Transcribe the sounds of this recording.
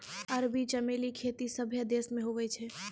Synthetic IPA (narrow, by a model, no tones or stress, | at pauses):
ɐɾbit͡ʃəmeːlikʰeːt̪isəbʱjəd̪eːsmẽɦoʋɛt͡ʃʰɛː